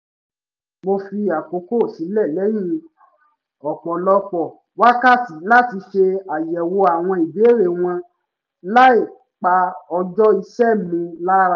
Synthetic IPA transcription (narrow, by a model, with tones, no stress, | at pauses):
mo˧fi˧a˨ko˨˦ko˦˨si˨˦lɛ˦˨lɛ˦jĩ˦˧˨ | ɔ˨k͡pɔ˨lɔ˧˦k͡pɔ˨ | wa˦ka˦˨ti˨˦la˦˨ti˧ʃe˧a˨jɛ˨wo˧a˨w̃ɔ̃˧i˨be˨˦ɾe˦˨w̃ɔ̃˧ | la˦i˦˨ | k͡pa˧ɔ˧d͡ʒɔ˦i˧ʃɛ˦˨mũ˧la˦ɾa˧